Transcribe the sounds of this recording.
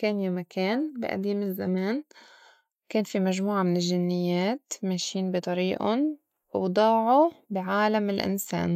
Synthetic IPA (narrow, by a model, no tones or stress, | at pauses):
keːnjamakʰeːnbɪ̰ʔa̰d̪iːmɪzːameːn | keːnfimaʒmuːʕamɪnɪlʒɪnːɪjːeːt̪meːʃiːnbit̪ˤɑɾiːʔʊ̰n | wd̪ˤɑːʕubɪʕaːlamɪlʔɪ̰nsḛːn